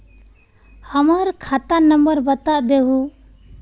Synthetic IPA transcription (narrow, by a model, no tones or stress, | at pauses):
həməɾkʰat̪anəmbəɾbət̪aʔd̪eɦu